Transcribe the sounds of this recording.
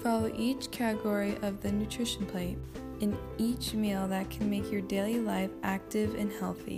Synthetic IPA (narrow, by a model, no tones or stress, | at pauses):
fɑlˠoʊʔit͡ʃkʰæɾɨɡɔɹiʔʌvðɨnʉtʰɹ̥ɪʃn̩pʰl̥eɪɾ | ɨ̃n | it͡ʃmilˠðɨt̚kʰn̩meɪkʰjə˞deɪlˠilaɪfʔæk̚tɪvɨ̰̃nhɛlˠθḭ